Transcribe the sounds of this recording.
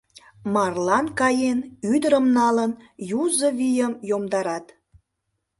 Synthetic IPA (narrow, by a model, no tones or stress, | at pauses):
mɑrlɑnkɑjenyd̪əɾəmnɑlənjuzəβijəmjomd̪ɑɾɑt̪